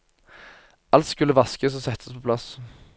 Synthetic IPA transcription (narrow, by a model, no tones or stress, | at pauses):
ʔɑlt̪skʉləʋɑskəsɔsɛt̪ʰːəspʰɔpʰlɑs